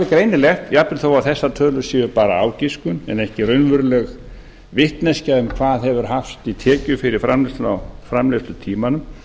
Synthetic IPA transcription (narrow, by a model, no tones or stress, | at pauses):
aðɪkɾejnɪlɛxt̪japnɪθowaθɛsːat̪ʰœːlʏsɪːvʏɾpaːɾaa̰ːwciskʏnɛnɛhcɪrʏnvʏɾlɛɣ | vɪht̪nɛscaʏmkʰv̥aːðhɛvʏɾ̥haft̪it̪ʰɛːcʏfɪɾɪɾ̥fɾamlɪst̪awfɾamlest̪ʏt̪ʰiːmanʏm